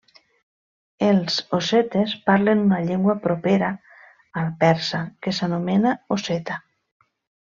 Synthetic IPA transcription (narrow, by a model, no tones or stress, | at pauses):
elzoset̪espaɾlenunaʎeŋɡwapɾopeɾa | alpɛɾsakesanomenaoset̪a